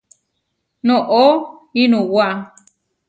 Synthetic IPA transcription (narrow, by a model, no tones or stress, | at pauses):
nõʔoinũwaʔa